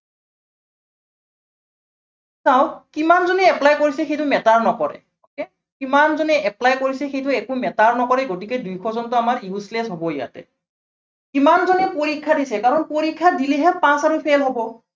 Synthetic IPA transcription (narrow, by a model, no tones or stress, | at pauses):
saw̃kimanzɔnɛɛplajkoɹisɛxejtʊmɛtaɹnɔkɔɹɛ̰ | okɛ | kimanzɔnɛɛplajkoɹisɛxejtʊɛkʊmɛtaɹnɔkɔɹɛɡotikɛdujkʰɔzɔntʊamaɹjuslɛsɦɔbɔja̰tɛ̰ | kimanzɔnɛpoɹikʰːadisɛkaɹɔnpoɹikʰːadilɛɦɛpãsaɹupʰelɦɔbɔ